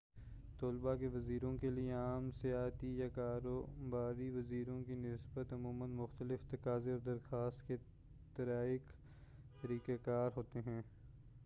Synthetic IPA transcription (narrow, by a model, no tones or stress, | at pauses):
t̪oːlbakeʋɐziːɾõkelijeaːmsɪjaːt̪ijakaːɾoːbaːɾiʋɐziːɾõkinɪsbət̪ɐmuːmənmʊxt̪əlɪft̪ɐkaːzeɔːɾd̪ɐɾxaːst̪ke | t̪ɐɾaːɪk | t̪əɾiːkekaːɾɦoːt̪eɦɛ̃ː